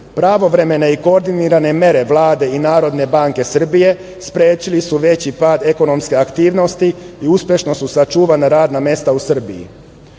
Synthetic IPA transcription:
pɾaʋo̞ʋɾe̞me̞ne̞ikoɾd̪iniɾane̞mje̞ɾe̞ʋlˠaːd̪e̞inaːɾo̞d̪ne̞baŋke̞sr̩bije̞ | spɾeːt͡ɕilisuʋe̞t͡ɕipaːd̪e̞ko̞no̞mske̞akt̪iːʋno̞st̪iiuspje̞ʃno̞susat͡ʃuːʋanaɾaːd̪namje̞st̪ausr̩bijḭ

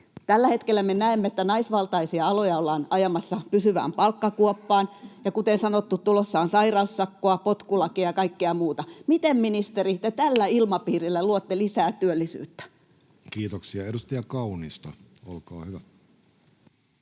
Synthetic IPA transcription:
t̪ælːæhet̪kelːˑæmenæemːeet̪ːænɑisʋɑlt̪ɑisiɑɑlojɑolːɑːnɑjɑmɑsːɑpysyʋæ̰ːmpɑlkːɑkuɔpːɑːnjɑkut̪ensɑnot̪ːut̪t̪ulosːɑːnsɑirɑusːɑkːoɑpot̪kulɑkijɑkɑikːeɑmuːt̪ɑmit̪emminist̪erit̪et̪ælːæilmɑpiːrilːæluot̪ːelisæːt̪yølːisy̰ːt̪ːæ̥ | kiːt̪oksiɑedust̪ɑjɑkɑunist̪ɑ | olkɑːhyʋæ

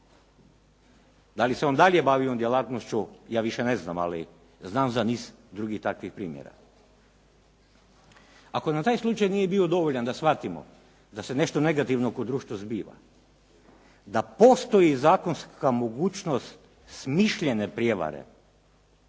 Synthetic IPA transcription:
d̪aliseond̪aʎlje̞baʋiond̪jelaːt̪nost͡ʃujaːʋiʃenezna̰ma̰lḭ | znaːmzaniːsd̪ɾuɡixt̪akʋixpɾiːmjḛɾa̰ | ako̞nat̪aːjslˠut͡ʃajnije̞bio̞d̪o̞ʋoʎand̪asʋat̪imo̰ | d̪ase̞ne̞ʃt̪one̞ɡat̪iʋnokod̪ɾuːʃt̪ʋozbiːʋa̰ | d̪apo̞st̪o̞jizaːko̞nskamo̞ɡuːt͡ʃnost̪ | smiʃʎene̞pɾjeʋa̰ɾḛ

